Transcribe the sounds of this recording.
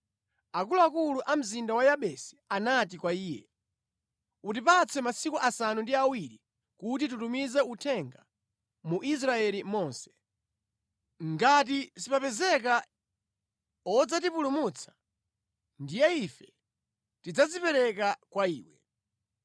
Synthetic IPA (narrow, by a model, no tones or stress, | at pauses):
akuluakuluʔam̩zindawajaɓɛsi̥anatikwaiːjɛ̰ | utipat͡sʰɛmasikuʔasanundiawiɾi | kut̬itutumizɛutʰɛŋɡa | muʔis̬ɾaɛlimɔːnsɛ̥ | ŋɡat̬isipapɛzɛka | ɔd͡zat̬ipulumut͡sʰḁ | ndijɛifɛ | tid͡zazipɛɾɛkakwaiːwɛ